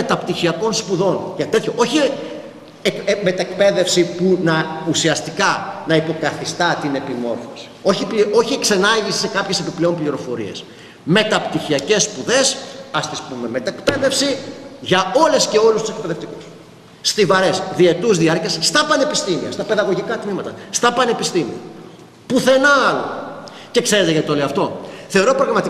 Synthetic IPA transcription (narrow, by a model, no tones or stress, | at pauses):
et̪ɐpt̪içiɐko̞nspuðo̞nʝɐt̪et̪çoʔo̞çi | kme̞t̪ɐekpe̞ðe̞fsipunɐusiɐst̪ikɐnɐipo̞kɐθist̪ɐt̪ine̞pimo̞ɾfosi̥o̞çipio̞çiekse̞nɐʝisi̥se̞kɐpçese̞piple̞o̞mpliɾo̞fo̞ɾḭe̞̰s | me̞t̪ɐpt̪içiɐce̞sːpuðe̞sɐst̪ispume̞me̞t̪ɐekpe̞ðe̞fsiʝɐo̞le̞sce̞o̞lust̪usek̚pe̞ðe̞ft̪ikusː | t̪ivɐɾe̞sðie̞t̪uzðiɐɾciesːt̪ɐpɐne̞pist̪imḭɐ̰st̪ɐpe̞ðɐɣo̞ʝikɐt̪mimɐt̪ɐst̪ɐpɐne̞pist̪imḭɐ̰ | puθe̞nɐɐlo̰ | ce̞kse̞ɾe̞t̪eʝɐt̪t̪oleɐft̪o̞θe̞o̞ɾopɾɐɣɾɐmɐt̪i